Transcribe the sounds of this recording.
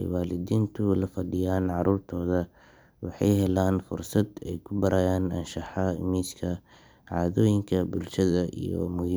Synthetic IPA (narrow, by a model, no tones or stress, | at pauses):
jwaːlɪd̪iːnt̪ʰʊlɐfɐɖɪjaːnʕɑɾuːrt̪ʰɔːðɐ | wɑħɑjhɛlaːnfʊrsɐd̪ɛjkʰʊbɐɾʔɐːjaːnɐnʃɑħɑɪ̰miːskʰɐ | ʕɑ̰ːðɔːjɪŋkʰɐbʊlʃɐðɐʔḭjɔ̰mʊhi